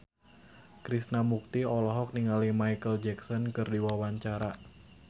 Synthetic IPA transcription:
kɾisnamuk̚t̪iɔlɔɦɔk̚niŋalimajkəld͡ʒɛksɔnkɨrdiwawaɲt͡ʃaɾa

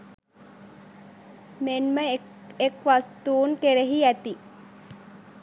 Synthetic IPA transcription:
menmə | ekʋast̪uːŋkeɾeɦiæt̪i

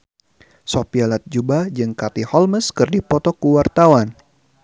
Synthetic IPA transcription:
sopialat̪̚d͡ʒubad͡ʒɨŋkat̪ihɔlməskɨrdipɔt̪ɔkuwart̪awan

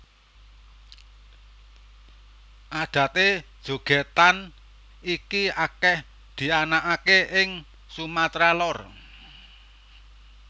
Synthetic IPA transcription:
ʔaɖ̪̥ä̤t̪ed̥ʒ̥o̤ɡ̥e̤t̪an | ikiakɛh | d̪̥i̤anaʔakeʔɪŋ | sumat̪ɾalɔr

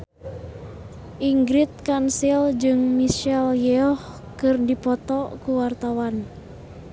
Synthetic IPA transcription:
ʔiŋɡɾit̪̚kansild͡ʒɨŋmiʃɛljɛɔh | kɨrdipɔt̪ɔkuwart̪awan

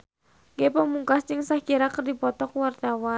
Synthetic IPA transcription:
ɡepəmuŋkast͡ʃɪŋsahkiɾakərdipɔt̪ɔkəwart̪awa

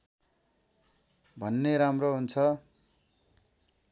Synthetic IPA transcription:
bʱʌnːeɾamroɦunt͡sʰʌ

